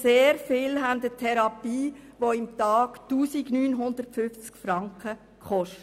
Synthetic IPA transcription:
seːɾfɪlɦændətʰɛɾɑpiːʋoɪmtɑːɡtuːsiɡnyːnɦʊnd̪ərtfʏft͡skfɾɑŋkχə | kχɔʃt

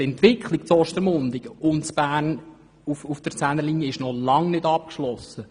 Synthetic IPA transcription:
ɛnt̪ʋɪkʰχlikt͡sɔʃtəɾmʊnd̪ɪkʊnt͡sb̥æːrn | ufufd̪̥əɾt͡sænəliːnjəɪʃnɔlɑŋnɪdɑp̚kʃlɔsːə

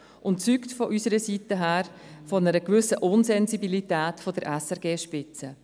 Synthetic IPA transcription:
ʔʊntt͡syːktfɔʔysəɾəsitəɦæːɾfɔnəɾəkʋʏsəʔʊnsɛnzibilitæːtfɔd̥əɾʔɛsɛɾɡeːʃpɪt͡sə

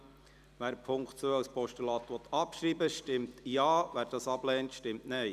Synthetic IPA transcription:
ʋæːɾpʰʊŋkχtt͡søːɑwspɔʃtylɑːt̪ʋɔt̪ʰɑpʃɾiːbəʃtɪmtjɑːʋæːɾd̥ɑsɑb̥lɛːntʃtɪmtnɛj

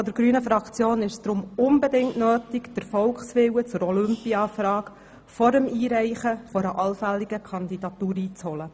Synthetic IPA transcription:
ɔd̥̪əɾɡɾyːnəfɾɑkt͡sjoːnɪʃsd̥ɾʊmʊmbɛdɪŋtnøːtikd̥əɾfɔlksʋɪwət͡sʊɾɔlʏmpiɑfɾɑːk | fɔɾəmiːɾɛɪχəfɔɾəʔɑlfælːiɡ̥əkʰɑnd̪id̪ɑtuːɾiːt͡shɔlə

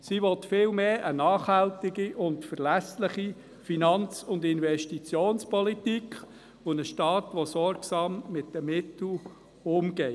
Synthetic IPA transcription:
siʋɔt̪fɪːlmeːʔənɑːχhæltiɡiʔʊntfəɾlæslɪχi | finɑnt͡sʊndɪnvɛʃtit͡sjoːnspɔlitikχ | ʊnəʃtɑːt̪ʋɔsɔɾksɑːmːɪtdəmɪt̪l̩ | ʊmɡ̥ɛ

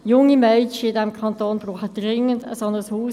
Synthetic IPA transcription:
jʊŋimœːt͡ʃəɪdɛmkʰɑntoːnb̥ʁuːχəd̥ʁɪŋəndə̰sɑndəʁəshuː

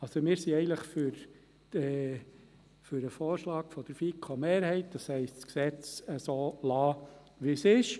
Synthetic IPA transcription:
ɑlsomɪːɾsiɛɪənləχfʏɾ | d̥ə | fʏɾəfoːɾʃlɑːkfɔd̥əɾfikʰomeːɾhɛɪt̚d̥̪ɑshɛɪstsksɛt͡səsoːlɑː | ʋisɪʃ

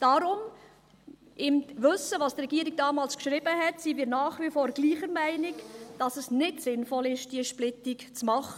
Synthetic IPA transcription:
d̥ɑɾʊm | ʔɪmʋɵsːəʋɑːsdtrɛɡ̥iːɾiɡ̚d̥ɑːmɑːlskʃɾɪb̥əɦɛtsimiːɾnɑːχʋifɔːɾɡ̥liːχəɾmæɪnɪkd̥ɑsəsnɪtsɪnfɔlɪʃd̥iəʃplɪtikt͡smɑχə

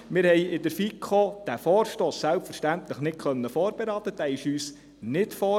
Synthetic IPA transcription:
mɪɾhɛjɪd̪əɾfikʰod̥æfɔːɾʃtoːsːælpfəɾʃtænt̪ləχnɪt̚kʰχœnːəfoːɾb̥eɾɑːt̪əd̥æɪʃyːs | nɪtfɔː

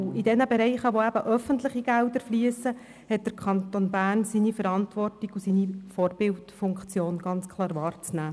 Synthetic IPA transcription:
id̥ɛnəbeɾɛɪχəʋoæb̥əʔœfəntlɪχiɡ̥ældəɾfliəsːə | hɛt̚d̥əɾkʰɑnt̪onbæːɾnsinifəɾɑntʋɔrtiɡ̥usinifɔːrbɪltfʊŋkt͡sjoːnɡ̥ɑnt͡skʰlˠɑːɾʋɑːrt͡snæː

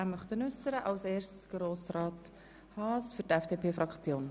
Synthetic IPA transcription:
æmœχt̪ənʏsəɾəʔɑwseːrstɡ̥ɾoːsrɑːt | hɑːsfʏɾtɛfd̥epʰeːfɾɑkt͡sjoːn

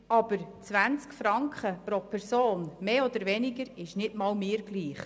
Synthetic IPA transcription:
ɑb̥əɾt͡sʋænt͡skfɾɑŋkχəpɾopʰɛɾsoːnmeːɔd̪əɾʋɛniɡəɾɪʃnɪdmɑːlmɪːɾɡ̥liːχ

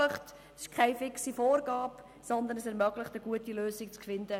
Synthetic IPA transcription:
əχt | ɪʃkʰaɪfɪksifoːɾɡaːp | sɔnd̪ənɛsɛɾmœɡlɪχtəɡuətiløːzɪk̚t͡skfɪnd̥̪ə

